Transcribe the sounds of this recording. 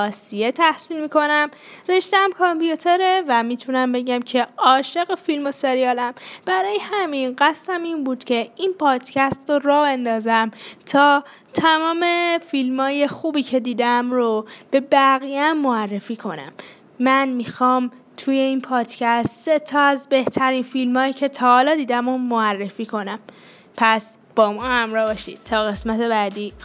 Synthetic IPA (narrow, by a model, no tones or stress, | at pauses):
ɒːsijet̪ʰæhsiːlmiːkʰo̞næmɾeʃd̪ææmkʰɑmpʰijut̪ʰe̞ɾevæmiːt̪ʰunæmbe̞ɟæmcʰe̞ɒːʃe̞ɣefilmo̞se̞ɾijɒːlæmb̥æɾɒːjehæminɢæst̪æminbuːd̪̥cʰe̞inpʰɒːd̪̥cʰæst̪rorɒːbe̞nd̪ɒːzæmt̪ʰɒː | t̪ʰæmɒːme̞filmɒːje̞xuːbiːcʰe̞d̪iːd̪æmɾob̥e̞bæɣijæmːoærːe̞fiːkʰo̞næ̰mː | ænmixɒːm | t̪ʰuːje̞iːnpʰɒːd̪̥cʰæst̪set̪ʰɒːæzbe̞ht̪ʰæɾiːnfilmɒːjicʰe̞t̪ʰɒːhɒːlɒːd̪iːd̪æmomoærːefiːkʰo̞næm | pʰæs | b̥ɒːmɒːhæmɾɒːbɒʃḭd̪̥̚t̪ʰɒːɣe̞smæt̪ʰe̞bæːd̪iː